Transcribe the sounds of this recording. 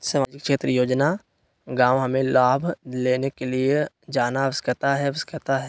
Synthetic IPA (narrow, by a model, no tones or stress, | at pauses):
saːmaːd͡ʒɪkkʃeːt̪ɾəjoːd͡ʒna | ɡãːwɦɐmẽlaːbʱleːnekelie | d͡ʒaːnaʋəskət̪aɦɛʋəskɾət̪aɦɛː